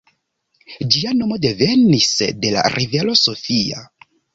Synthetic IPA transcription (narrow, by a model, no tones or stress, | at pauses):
d͡ʒiano̞mo̞de̞ve̞nisde̞la̰ɾʔive̞lo̞so̞fia̰